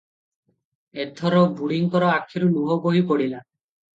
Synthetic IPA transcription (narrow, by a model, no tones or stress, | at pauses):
et̪ʰɔɾɔbuɽiŋkɔɾɔakʰːiɾuluɦɔboɦipɔɽila